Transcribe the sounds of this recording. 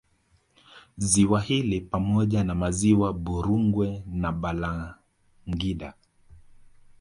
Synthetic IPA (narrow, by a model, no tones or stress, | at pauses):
ziwahilipamɔʄanamaziwaɓuɾuŋɡwɛnaɓala | ŋɡiɗa